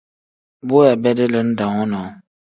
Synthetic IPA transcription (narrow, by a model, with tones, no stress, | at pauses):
bʊ˦ja˨bɛ˦dɪ˦lə˦n̩˦da˨ŋɔ˦nɔ˨˦